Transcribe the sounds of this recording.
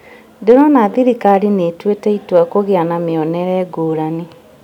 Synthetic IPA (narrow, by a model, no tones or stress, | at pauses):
ndeɾɔnaðiɾikaɾinetwetɛitwakoɣeanameɔnɛɾɛːɡoːɾani